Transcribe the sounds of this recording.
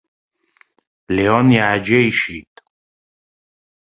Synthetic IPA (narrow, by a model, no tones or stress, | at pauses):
liɔnjaːd͡ʒeiʃit̪